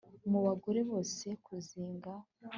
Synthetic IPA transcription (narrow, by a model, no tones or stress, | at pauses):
muβaɡo̞ɾe̞βo̞ːse̞kuziːŋɡa